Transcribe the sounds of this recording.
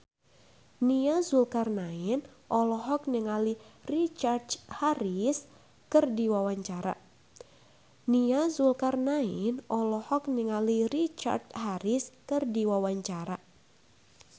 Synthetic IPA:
niazulkarnainʔɔlɔɦɔk̚nəŋalirit͡ʃardhaɾis | kɨrdiwawaɲt͡ʃaɾa̰ | niazulkarnainʔɔlɔhɔk̚nəŋalirit͡ʃa̰rt̪̚haɾiskɨrdiwawaɲt͡ʃaɾa

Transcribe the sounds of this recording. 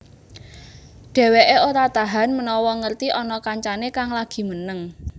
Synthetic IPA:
d̥ɛ̤weʔeot̪at̪aɦanmənɔwɔŋərt̪iʔɔnɔkaɲt͡ʃanekaŋlaɡ̥i̤mənəŋ

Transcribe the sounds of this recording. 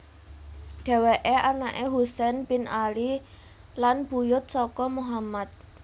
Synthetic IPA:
ɖ̥ɛ̤weʔeʔanaʔeɦusɛnpinʔali | lanb̥ujʊt̪̚sɔkɔmuɦamat̪̚

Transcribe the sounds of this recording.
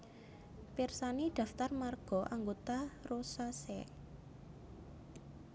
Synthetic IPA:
pirsanid̪̥ä̤ft̪armarɡ̥ɔ̤ʔaŋɡot̪arosasɛ̰

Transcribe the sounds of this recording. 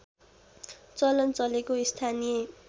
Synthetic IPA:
t͡sʌlʌnt͡sʌlekoist̪ʰanije

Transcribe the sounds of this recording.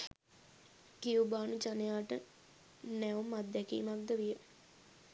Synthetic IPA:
kiubaːnut͡ʃanejaːʈə | nɛumːat̪̚ːɛkḭːmak̚d̪əʋijə

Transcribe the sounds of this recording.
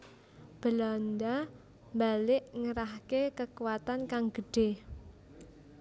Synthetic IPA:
b̥əland̪a | mbalɪʔŋəɾahkekəkuwat̪ankaŋɡ̥ə̤ɖ̥e

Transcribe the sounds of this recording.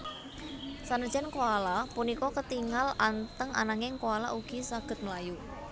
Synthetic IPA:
sanəd̥ʒ̥ankoalapunikɔkət̪iŋalant̪əŋa̰naŋɪŋkoala̰ʔuɡ̥isaɡ̥ə̤t̪̚məlaju

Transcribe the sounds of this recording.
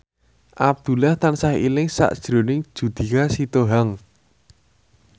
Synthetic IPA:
ʔab̚d̪̥ṳlaht̪ansaɦḭlɪŋsa̰ʔd̥ʒ̥ɾo̤nɪŋ̥ʒ̥ṳd̪̥i̤kasit̪oɦaŋ

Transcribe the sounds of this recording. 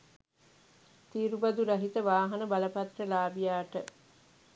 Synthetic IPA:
t̪iːɾubɐd̪uɾɐɦit̪əʋaːɦɐnəbɐləpɐt̪rəlaːbijaːʈə

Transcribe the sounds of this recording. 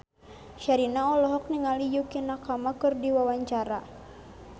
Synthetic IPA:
ʃaɾinaɔlɔɦɔk̚niŋalijukinakamakɨrdiwawaɲt͡ʃaɾa

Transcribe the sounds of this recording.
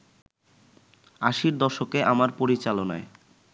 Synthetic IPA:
aʃiɾd̪ɔʃokeʔamaɾpoɾit͡ɕalona̰e

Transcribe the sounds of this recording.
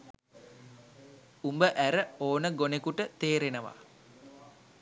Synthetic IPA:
umbəʔæɾəoːnəɡonekuʈət̪eːɾenəʋa̰

